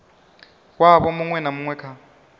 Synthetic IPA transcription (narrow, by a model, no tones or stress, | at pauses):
k̬ʼwaɓɔmuŋwɛnamuŋwɛkʰa